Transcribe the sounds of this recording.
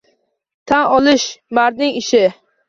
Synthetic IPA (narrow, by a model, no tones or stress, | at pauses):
t̪ʰanɒlɪʃmaɾd̪ɪŋɪʃɪ